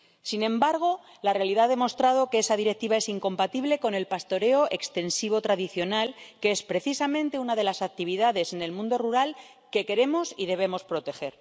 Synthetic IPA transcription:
sinẽ̞mbaɾɣ̞o̞ | lare̞aliðaðe̞mo̞st̪ɾað̞o̞ke̞esaðiɾe̞k̚t̪iβae̞siŋko̞mpat̪iβle̞ko̞ne̞lpast̪o̞ɾe̞o̞ʔekst̪e̞nsiβ̞o̞t̪ɾaðiθjo̞nalkee̞spɾe̞θisamẽ̞nt̪e̞unaðe̞lasak̚t̪iβ̞iðaðe̞sene̞lmũnd̪o̞ruɾal | ke̞ke̞ɾe̞mo̞sið̞e̞β̞e̞mo̞spɾo̞t̪e̞xe̞ɾ

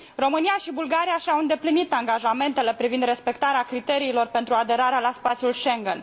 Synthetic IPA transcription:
ro̞mɨnijaʃibulɡaɾijaʃiawɨnd̪eplinit̪aŋɡaʒame̞nt̪e̞le̞pɾivind̪ɾe̞spe̞k̚t̪aɾeakɾit̪e̞ɾiːlo̞rpe̞nt̪ɾuad̪e̞ɾaɾealaspat̪sjulʃe̞ŋɡen

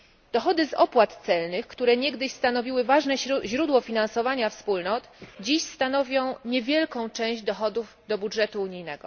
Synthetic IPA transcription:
d̪̥ɔxɔd̪ɘzɔ̰pwat̪t̪sɛlnɘxkt̪uɾɛɲɛɡd̪ɘɕst̪anɔvʲiwɘvaʐnɛʑɾud̪wɔfʲinansɔvaɲafspulnɔt̪d͡ʑiɕst̪anɔvʲjɔ̃w̃ɲɛvʲjɛlkɔ̃w̃t͡ʂɛ̃w̃ʑd͡ʑd̪ɔxɔd̪uvd̪ɔbudʐɛt̪uːɲijnɛɡɔ

